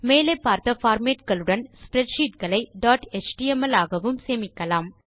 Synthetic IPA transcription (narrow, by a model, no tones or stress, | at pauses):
meːlɐɪpːaːɾt̪ɐfaːɾmeːʈɣɐɭɯɽɐnspɾɛʈʂiːʈ̚ɣɐɭɐɪɖaːʈet͡ʃʈiːɛmɐlaːɣɐʋɯmseːmɪkːɐlaːm